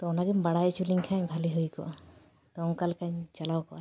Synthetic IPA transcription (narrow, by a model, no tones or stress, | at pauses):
t̪ɔɔnaɡimbaɽajt͡ʃʰuliŋkʰaɲbʱaliɦojkɔ̰a | t̪ɔŋkalkaɲt͡ʃalawkɔʔa